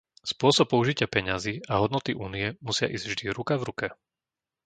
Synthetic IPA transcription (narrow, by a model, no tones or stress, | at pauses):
spʊɔsɔp̚pːɔuʒicɪapɛɲaziːʔaɦɔd̪nɔt̪iʔuːnijɛmusɪa̰ʔiːzɟvʒd̪iɾukavɾukɛ